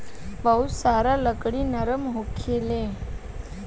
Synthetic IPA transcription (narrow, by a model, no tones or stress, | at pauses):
bəɦusaɾaləkɽiːnəɾəmɦokʰele